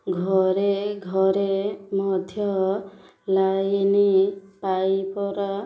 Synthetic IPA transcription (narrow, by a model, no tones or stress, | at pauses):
ɡʱɔɾeɡʱɔɾemɔd̪ʱjɔ | lajnipajpɔɾɔ